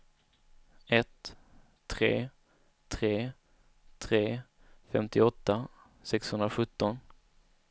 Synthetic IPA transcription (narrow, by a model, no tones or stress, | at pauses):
ɛt̪ʰː | ɾeː | t̪ʰɾeː | t̪ʰɾeː | fɛmt̪ɪɔt̪ːa | sɛkshɵnd̪ɾaɧɵt̪ːɔn